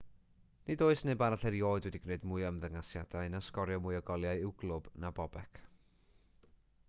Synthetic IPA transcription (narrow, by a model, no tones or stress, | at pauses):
nɨdoɨsneɨbaɾaɬɛɾjoːɨdwɛdiɡneɨdmʊɨəmðəŋasjadaɨnaskɔɾjɔmʊɨɔɡɔlˠjaɨɪwɡlˠʊb̥nabɔbɛkʰ